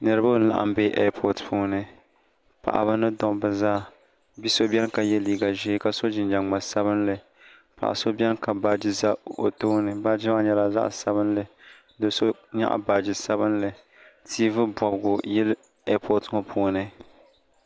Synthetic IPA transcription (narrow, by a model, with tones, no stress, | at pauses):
nɨ˨ɾɨ˦ba˦n˦la̰˨ʔa̰˨mbeː˦ʔɛ˦pʰɔ˨tpʰuː˦nɨ˦ | pa̰˨ʔa̰˨ba˦nɨ˦dɔ˨bɨ˨zaː˦˨ | bi˦so˦bɛ˦nka˨jɛ˦liː˦ɡa˨ʒɪ˦ka˦so˦d͡ʒɪ˨nd͡ʒa˨ŋ͡ma˨sa˦βɨ˦nlɨ˨ | pa̰˨ʔa̰˨so˦bʲɛ˦nka˨baː˨d͡ʒɪ˦za˦o̰˨to˦nɨ˨ba˦d͡ʒɪ˦a˦ɲɛ˦la˨za̰˦ʔsa˦bɨ˦nlɨ˨ | do˨so˦ɲa̰˦ʔa̰˨baː˨d͡ʒɪ˦sa˦bɨ˦nlɨ˨ | tʰi˦vɨ˦bɔ˨bɡʊ˨jɛ˦l | ɛ˦pʰɔ˨tŋɔ˨pʰu˦nɨ˦